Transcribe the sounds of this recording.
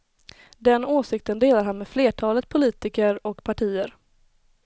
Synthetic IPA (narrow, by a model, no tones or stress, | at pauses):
d̪ɛnoːsɪk̚t̪ənd̪eːlaɾɦhanmeːdfleːʈʰɑːlət̪̚pʰʊliːt̪ɪkəɾɔkpʰaʈʰiːəɾ